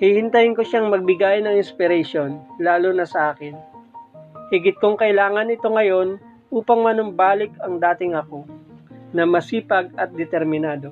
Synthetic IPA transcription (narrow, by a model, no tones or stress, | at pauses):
hihɪnt̪ɐjɪŋko̞ʃaŋmɐɡ̚bɪɡajnɐŋɪnspɪɾɛʃonlaːlʊnɐsɐʔaːkɪn | hɪɡɪt̪̚koŋkɐʔɪlaːŋɐnɪt̪o̞ŋɐjo̞n | ʔuːpɐŋmɐnʊmbaːlɪkɐŋd̪aːt̪ɪŋɐko̞nɐmɐsiːpɐɡ̚ɐt̪̚d̪ɛt̪ɛɾmɪnaːd̪o̞